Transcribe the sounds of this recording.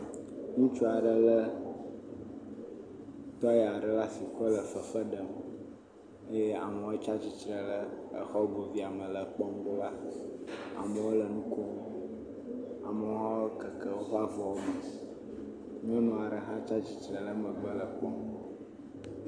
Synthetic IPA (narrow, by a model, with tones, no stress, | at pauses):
ŋũ˦t͡ʃu˦a˨ɖə˨lə˦ | t̪ɔ˦ja˨ɖə˨la˦si˨ɸə˦lə˨fə˨fə˦ɖə˨m | e˦je˦a̰˨mə˨wo˦t͡ʃa˦t͡ɕi˨t͡ʃɾə˨lə˦ə̰˨xɔ˦bo˨vi˦a˨mə˨lə˨k͡pɔ˦m˦ɡ͡bo˦la˦ | a̰˨mə˨wo˦lə˨nũ˦ko˦ | a̰˨mə˨˦ɦɔ˦kə˨kə˦˨wo˦ɦɔ˦a˦vɔ˨wo˦mə˨ | ɲ˦e˦nɔ̃˨a˨ɖə˨ɦã˦t͡ʃa˦t͡ɕi˨t͡ʃɾə˨lə˦mə̃˨ɡ͡bə˦lə˨k͡pɔ˦m